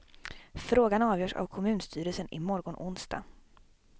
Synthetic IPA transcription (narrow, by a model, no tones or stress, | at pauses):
fɾoːɡanɑːvjœːʂa̰vkʰɔmʉ̟ːnst̪ʰyːɾəlsənɪmɔɾɡɔɳʔʊnsd̪a̰ː